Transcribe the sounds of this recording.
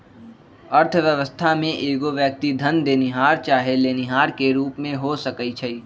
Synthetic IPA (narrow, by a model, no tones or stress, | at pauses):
əɾt̪ʰʋjəʋəst̪ʰamẽʔeːɡoʋjək̚t̪id̪ʱənd̪eːniɦaːɾt͡ʃaːɦeleːnɪɦaːɾkeɾuːpmẽɦosəkəit͡ʃʰəi